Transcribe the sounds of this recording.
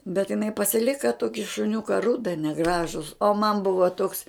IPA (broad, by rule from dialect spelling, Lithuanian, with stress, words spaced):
bʲɛt jɪˈnɐɪ pɐsʲɪˈlʲɪkɐ ˈtoːkʲɪ ʃʊˈnʲʊkɐ ˈrʊdɐ nʲɛˈɡrɑːʒʊs oː mɐn ˈbʊʋɐ toːks